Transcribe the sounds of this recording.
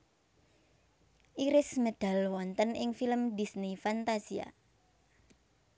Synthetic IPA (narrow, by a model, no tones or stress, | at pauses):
ʔiɾɪsmed̪̥a̤lwɔnt̪ənɪŋfiləmd̪isnifant̪asia̰